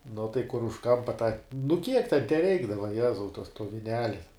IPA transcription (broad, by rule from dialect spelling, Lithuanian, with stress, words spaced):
nʊ tɐɪ kʊr ʊʃ ˈkɐmpɐ tɑː nʊ kʲiɛk tʲɛn tʲɛˈrʲɛɪɡdɐʋɐ ˈjæːzɐʊ toːs toː ʋʲɪˈnʲæːlʲɪ